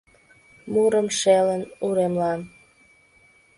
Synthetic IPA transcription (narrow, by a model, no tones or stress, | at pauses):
muɾəmʃelənuɾemlɑm